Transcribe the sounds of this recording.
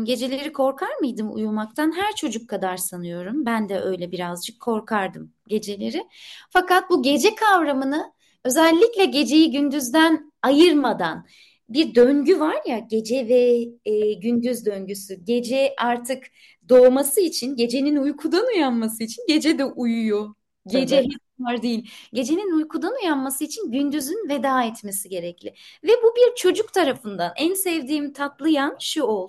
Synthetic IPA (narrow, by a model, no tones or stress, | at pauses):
ɟe̞d͡ʒe̞lʲe̞ɾikʰo̞ɾkʰaɾmɯjd̪ɯmṵjulˠmak̚t̪ʰanɦæɾt͡ʃʰo̞d͡ʒukʰːad̪aɾsanɯjo̞ɾumbænd̪ɛʔø̞jlʲɛbiɾazd͡ʒɯkʰːo̞ɾkʰaɾd̪ɯm | ɟe̞d͡ʒe̞lʲe̞ɾɪfakat̪̚buɟe̞d͡ʒɛkʰavɾamɯnɯ | ø̞zɛlʲːiclʲɛɟe̞d͡ʒe̞jiɟynd̪yzd̪æn | ajɯɾmad̪an | biɾd̪øɲɟyvaɾjaɟe̞d͡ʒɛvɛ | ɟynd̪yzd̪ø̞ɲɟysyɟe̞d͡ʒɛaɾt̪ʰɯk | d̪o̞ːmasɯit͡ʃʰinɟe̞d͡ʒe̞ninujkʰud̪anujanmasɯit͡ʃʰinɟe̞d͡ʒɛd̪ɛʔujujo | ɟed͡ʒɛɦɛ | vaɾd̪ejilʲɟe̞d͡ʒe̞ninujkʰud̪anujanmasɯit͡ʃʰinɟynd̪yzynve̞d̪aːɛt̪me̞siɟe̞ɾɛclʲɪvɛbubiɾt͡ʃʰo̞d͡ʒukt̪ʰaɾafɯnd̪anænsɛvd̪iːmt̪ʰat̪lˠɯjanʃuolˠ